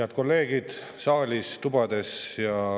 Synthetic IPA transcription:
eɑt̪̚ko̞lːe̞ːɡ̥id̪̥ | sɑːlʲist̪ub̥ɑd̪̥e̞sjɑ

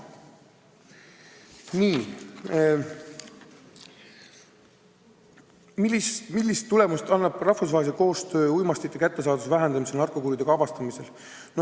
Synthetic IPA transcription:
niː | miismilːist̪ːule̞must̪ɑnːɑb̥rɑhfus̬vɑːelseko̞ːst̪øːujmɑst̪it̪ːekæt̪ːe̞s̬ɑːd̪usvæɦend̪ɑmisenɑrko̞kuɾjid̪̥e̞kɑbɑst̪ɑmise̞l | no

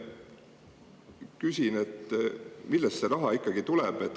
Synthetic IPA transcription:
kysʲinet̪ːmilːɛst̪se̞ɾɑɦɑikːɑɡ̥it̪ulɛb̥et̪ːˑ

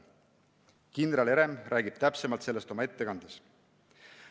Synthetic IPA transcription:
kind̪ɾele̞ɾe̞mrʔæːɡ̥ib̥t̪æpsemɑlt̪se̞lːest̪o̞mɑe̞t̪ːe̞kɑnd̪̥es

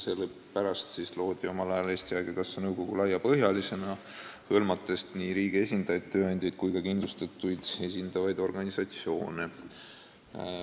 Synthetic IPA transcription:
sele | pæɾɑst̪sislo̞ːd̪̥io̞mɑlɑjɑle̞ːst̪iɑːɡ̥ekɑsːenɤwko̞ɡ̥ulɑjːɑpɤɦjɑlise̞nɑ | hɤlmɑt̪ːˑe̞st̪niːɾiːɡ̥ie̞sʲind̪̥ɑjɑd̪̥̚t̪ːøːɑnʲd̪̥ʲɑjd̪̥̚kujkɑkinlust̪ɑt̪ːˑujd̪̥e̞s̬ʲind̪̥ɑvɑjd̪o̞rɡ̥ɑnisɑt̪sio̞̰ːne

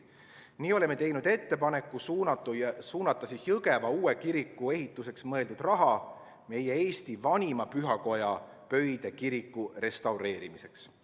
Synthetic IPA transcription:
niːo̞lemːe̞t̪e̞jnud̪e̞t̪ːe̞pɑne̞kːˑus | suːnɑt̪ːˑɑsijɤɡ̥e̞vɑuːe̞kiɾikːˑue̞ɦit̪ːˑuse̞ksmɤ̞e̞ld̪ud̪̥rɑɦɑ | me̞jee̞ːst̪ivɑnʲimɑpyɦɑko̞jɑ | pø̞jd̪̥e̞kiɾikˑːure̞st̪ɑwɾe̞ːɾimise̞ks

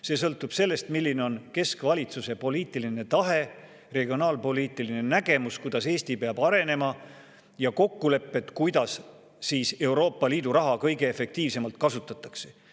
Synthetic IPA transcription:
se̞ːs̬ɤlt̪ːˑub̥se̞lːe̞st̪milːineo̞nke̞skvɑlʲit̪suse̞po̞liːt̪ːˑiline̞t̪ɑɦe̞ | re̞ɡio̞nɑːlpo̞liːt̪ːˑiline̞næɡ̥e̞muskujd̪̥ɑse̞ːsʲt̪ipeɑb̥ɑɾe̞ne̞mɑ | jɑko̞kːule̞pːe̞t̪kujd̪̥ɑsː | iːse̞wɾo̞ːpːˑɑliːd̪̥uɾɑɦɑkɤjɡ̥e̞efe̞k̚t̪iːvse̞mɑlt̪kɑsut̪ːˑɑt̪ːˑɑkse

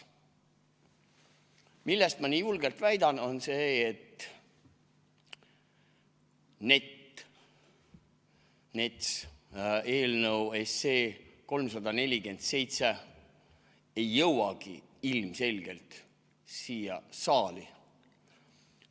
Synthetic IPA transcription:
milːest̪mɑniːjulɡe̞lt̪væjd̪ɑno̞nseːt̪ | ne̞t̪ | ne̞t̪s | e̞ːlnəwe̞se̞ːko̞lms̬ɑd̪ɑne̞lʲiɡe̞nd̪̥se̞jt̪se | ejːɤwɑɡ̥ḭilmse̞lʲɡ̥e̞lt̪ | siːjɑ̰sɑːli

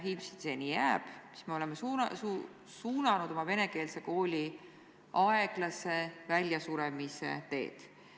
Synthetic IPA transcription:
ɦiːpsi̥d̪̥senijæːb̥si̥sme̞o̞lemesuu | suːnɑnud̪̥o̞mɑve̞ne̞ke̞ːlse̞ko̞ːlʲi | ɑe̞ɡ̥lɑse̞vælʲjɑsuɾemisḛt̪e̞̰ːd̪̥

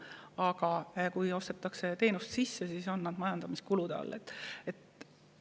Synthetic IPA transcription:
ɑɡ̥ɑkujo̞st̪e̞t̪ːˑɑkse̞t̪e̞ːnust̪sisːesiso̞nːɑd̪̥mɑjɑnd̪ɑmiskulud̪̥ɑɑ̰lːḛt̪ːˑe̞t̪

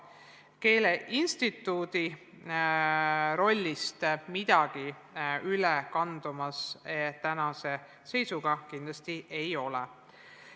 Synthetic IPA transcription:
ke̞ːle̞ʔinst̪it̪ːˑuːd̪̥i | ɾo̞lʲːist̪mid̪̥ɑɡ̥i | ylɛkɑnd̪̥umɑset̪ænɑse̞ | se̞jsuɡ̥ɑkind̪̥lɑst̪ie̞jo̞lɛ̰

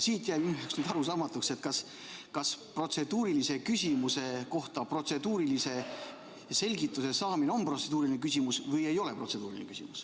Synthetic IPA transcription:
siːt̪jæjbynueksnyːd̪ɑɾusɑːmɑt̪ːukse̞t̪kɑs | kɑspro̞t̪se̞d̪̥uːɾilise̞kysʲimuse̞ko̞ht̪ɑpro̞t̪se̞d̪uːɾilise̞ | se̞lʲɡit̪ːˑuse̞sɑːmineo̞mpro̞t̪se̞d̪̥uːɾilinekysʲimusvɤje̞jo̞le̞pro̞t̪se̞d̪uːɾilin̰kysʲḭmus

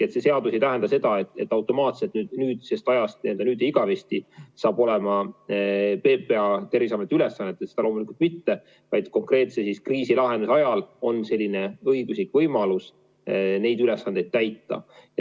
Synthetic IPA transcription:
e̞t̪se̞se̞ɑd̪use̞jt̪æɦend̪ɑse̞d̪̥ɑe̞t̪ːˑe̞t̪ːˑɑwt̪ːˑo̞mɑːt̪se̞t̪ːˑnyːd̪̥nyːd̪̥sest̪ɑjɑst̪̚nie̞ld̪ɑnyːd̪̥ejiɡ̥ɑvest̪isɑːb̥o̞le̞mɑ | pe̞ːpe̞ɑt̪e̞rvisɑmet̪ːylesːɑnːet̪ːˑet̪sed̪ɑlo̞ːmulikult̪mit̪ːe̞ | vɑjd̪̥ko̞ŋkre̞ːt̪sesiskriːsilɑɦe̞nusɑjɑlo̞nse̞lʲːine̞ɤjɡ̥uslikˑvɤjmɑlus | ne̞jd̪ylesːɑnd̪̥e̞jd̪̥t̪æjt̪ˑːɑ̰j

